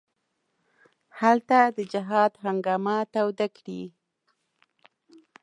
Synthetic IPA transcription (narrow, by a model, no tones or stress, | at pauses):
halt̪ad̪əd͡ʒɪɦɑd̪ɦaŋɡɑmat̪awd̪akɽḭ